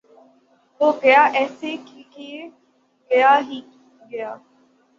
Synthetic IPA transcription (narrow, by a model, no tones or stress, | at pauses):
oːkəjaːʔɛːsekːkː | ɡəjaːɦiː | ɡəjaː